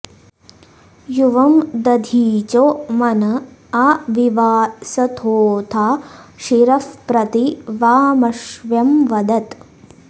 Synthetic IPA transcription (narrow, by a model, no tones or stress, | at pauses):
juʋɐmd̪ɐd̪ʱiːt͡ʃoːmɐnɐɐʋiʋaːsɐt̪ʰoːt̪ʰaːʃiɾɐfpɾɐt̪iʋaːmɐʃʋjɐmʋɐd̪ɐt̪